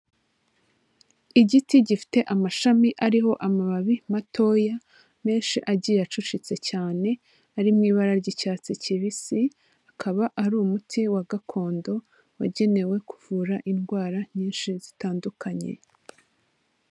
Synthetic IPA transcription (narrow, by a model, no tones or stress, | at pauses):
iɟitiɟifi̥te̞ʔamaʃamiʔaɾiɦo̞ʔamaβaβimatʰo̞ːja | me̞ːnʃiʔaɟijat͡ʃut͡ʃit͡se̞caːne̞ | aɾimŋiːβaɾaɾɟicaːt͡siciβisi | akʰaβaʔaɾuːmutʰiwaɡakʰo̞ːndo̞ | wa̰ɟe̞ne̞we̞kuvuːɾaʔinɡwaːɾaɲiːnʃizitaːndukʰaɲe̞̰